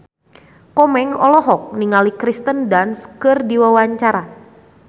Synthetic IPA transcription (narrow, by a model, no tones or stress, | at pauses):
kɔmɛŋɔlɔɦɔk̚niŋalikɾist̪əndanskɨrdiwawaɲt͡ʃaɾa